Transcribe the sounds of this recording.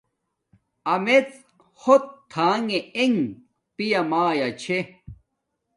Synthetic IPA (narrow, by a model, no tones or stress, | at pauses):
ɐmet͡s | hot̪ʰːaːŋeeŋ | pijamaːjat͡ɕʰe